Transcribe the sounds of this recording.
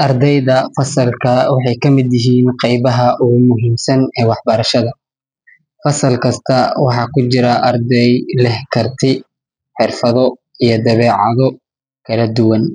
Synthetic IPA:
ʔɐrd̪ɛjðɐfɐsɐlkʰɐwɑħɑjkʰɐmɪd̪jɪɦiːnqɛjβɐɦɐʔʊɣʊmʊɦiːmsɐnɛːwɑħbɐɾɐʃɐðɐ | fɐsɐlkʰɐst̪ʰɐwɑħɑːkʰʊt͡ʃɪɾɐʔɐrd̪ɛjlɛhkʰɐrt̪ʰɪ | ħɪrfɐðɔ | ijɞd̪ɐβɛːʕɑðɔ | kʰɐlɐd̪ʊwɐn

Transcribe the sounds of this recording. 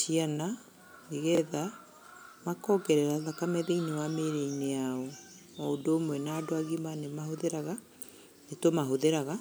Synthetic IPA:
siana | neɣɛða | makɔːɡɛɾɛɾaðakamɛðeinewameɾeinejaɔ | ɔodoːmwɛnadoaɣimanemahoðeɾaɣa | netomaɦoðeɾaɣa

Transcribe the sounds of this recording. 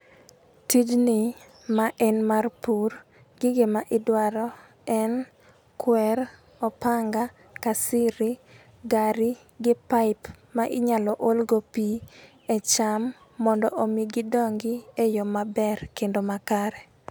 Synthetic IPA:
tid͡ʒnɪ | maʔɛnmarpur | ɡ̥ɪɡemaʔɪdwaɾɔ | ɛn | kwɛɾ | ɔpaŋɡa | kasɪɾi | ɡaɾi | ɡɪpaɪp | maʔɪɲalɔʔolɡopi | ɛt͡ʃamː | ɔndɔʔomiɡɪdɔŋɡɪejɔmabɛrkendomakaɾɛ

